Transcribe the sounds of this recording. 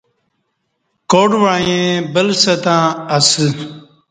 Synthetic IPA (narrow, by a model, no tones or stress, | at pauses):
koːɖʋãːjẽbəlsɐt̪ãːɐsɨ